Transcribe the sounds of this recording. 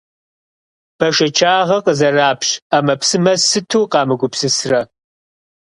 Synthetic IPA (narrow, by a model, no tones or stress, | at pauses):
b̥ɐʃɐt͡ʃʰaːʁɐqəzɐraːpɕaːmɐpsɨmɐsɨtʰuːqɑːmɨɡʷʊpsɨsrɐ